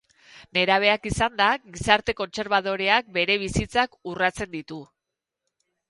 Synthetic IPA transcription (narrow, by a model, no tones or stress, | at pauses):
ne̞ɾaβ̞e̞akisand̪aɣisaɾt̪e̞ko̞nt͡se̞ɾβaðo̞ɾeak̚be̞ɾe̞β̞isit͡sakurat͡se̞nd̪it̪u